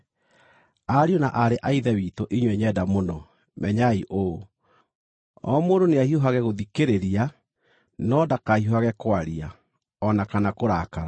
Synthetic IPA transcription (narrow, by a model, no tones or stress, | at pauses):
aɾionaʔaɾeʔaiðɛwitoʔiɲwɛɲɛdamonɔ | mɛɲaiʔo | ɔ̰moːndoneahioɦaɣɛɣoðikeɾeɾia | nɔdakahioaɣɛkwaɾia | ɔnakanakoɾakaɾa